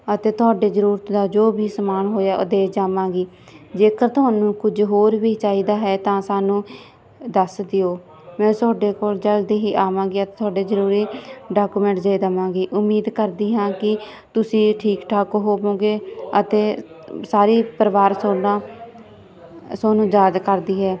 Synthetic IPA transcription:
ət̪eːt̪ʊaːɖeːzəɾuːɾt̪d̪aːd͡ʒoːbiːsəmaːnɦoːjaːod̪eːd͡ʒaːmãːɡiː | d͡ʒeːkəɾt̪ʊɦaːnũːkʊd͡ʒɦoːɾʋiːt͡ʃaːiːd̪aːɦɛːt̪ãːsaːnũː | d̪əsd̪ɪjoː | mɛ̃ːt̪ʊaːɖeːkoːlt͡ʃəld̪eːɦiːʔaːmãːɡiːət̪eːt̪ʰʊaːɖeːzəɾuːɾiːɖaːkuːmɛ̃ːɳʈd͡ʒaːiːd̪aːmãːɡiːʔʊmːiːd̪kəɾd̪iːɦãːkɪ | t̪ʊsĩːʈʰiːkʈʰaːkoːɦoːbõːɡeːət̪eː | saːɾiːpəɾʋaːɾsoːnãː | soːnũːd͡ʒaːd͡ʒkəɾd̪iːɦɛː

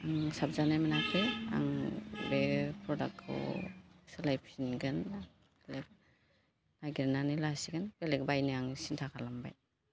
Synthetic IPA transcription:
aŋsab̚zanajminakʰeja̰ŋbepʰɾɔdak̚ʰɯ̰sɯlajpʰsinɡɯn | elek̚ | naɡiɾnanɯjlasiɡɯnkelek̚bajnɯaŋsintʰakʰalamba̰j

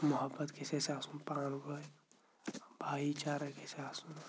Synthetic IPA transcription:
məɦəbːət̪kesesaːsunpaːnɡoj | bʱaːit͡ʃaɾəkesaːsun

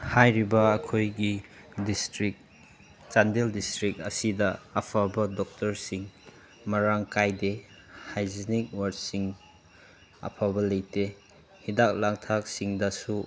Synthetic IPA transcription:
hajɾibɐːkʰojɡidistɾik̚ | t͡ʃandeldistɾik̚ɐsidɐːpʰabɐdɔk̚tɐɾsiŋ | mɐɾaŋkajde | hajzinik̚waɾ̚siŋ | ɐ̰pʰabɐlejte | hidak̚laŋtʰak̚siŋdɐsu

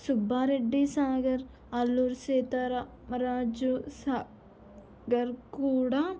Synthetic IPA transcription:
sʊbaːɾeɖːisaːɡɐɾ | alːuɾseːt̪aɾa | mɾaːd͡ʒusaː | ɡəɾkuːɽaː

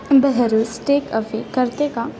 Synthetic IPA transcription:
bəɦɛɾuːsʈeːkəfekɐɾt̪eka

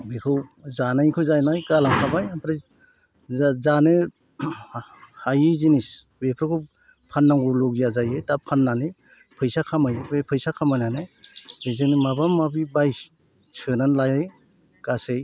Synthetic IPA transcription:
bekʰɯwzanajkʰɯjzajnajɡalaŋkʰabajampʰɾa | zanɯ | hajizinis | bepʰɾɯkʰɯ | pʰanːaŋɡulɔɡjazajetapʰanːane | pʰɯjsakʰamajbepʰɯjsakʰamajnanɯbezɯnimabamːabibaj | sɯnanlajaj | ɡasej

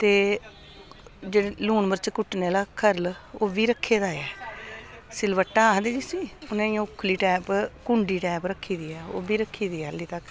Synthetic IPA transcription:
t̪eː | d͡ʒeːluːnməɾt͡ʃkʊʈneːlaːkʰəɾloːbiːɾəkʰːeːd̪aːɛː | sɪlʋəʈːaːɦd̪eːd͡ʒiːsiːʊnẽːiãːʊkʰːliːʈɛːpkʊɳɖiːʈɛːpɾəkʰːiːd̪iːɛːoːbiːɾəkʰːiːd̪iːɛːlːiːt̪ək

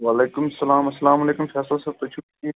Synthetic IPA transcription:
ʋaːleːkʊmɐsɐlaːmɐsːɐlaːmɐleːkʊmfɛːslasaːb̚t̪ot͡ʃʰu | i

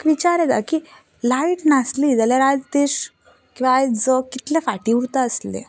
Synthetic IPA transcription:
kʋit͡ɕaɾed̪aki | laiʈnaslid͡zəleɾad͡zt̪eɕ | kĩw̃ʋad͡zəkːit̪lefaʈiuɾt̪aəslḛ

